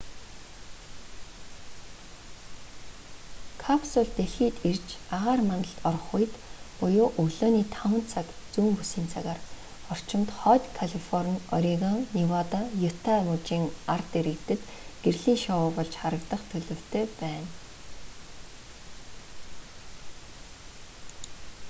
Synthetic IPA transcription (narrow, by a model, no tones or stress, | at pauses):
kʰapsʊɮt̪eɮxiːt̪ert͡ɕaʁaːrmanə̆ɬt̪ɔrχʊjt̪pʊjʊːʔɵɣɮoːniːt̪ʰawə̆nt͡sʰak | t͡suːmpusiːnt͡sʰaɣaːr | ɔr̥t͡ɕɪ̆mt̪χɔːt̪ʲkʰaɮifɔrnɔɾʲiɣanniwat̪ajʊt̪ʰamut͡ɕiːŋart̪eɾɘ̆kt̪ɘ̆t̪ɡ̥erɮiːŋʃawʊːpɔɮt͡ɕχaɾə̆kt̪ə̆χt̪ʰɵɮɵ̆w̥t̪ʰeːpæːn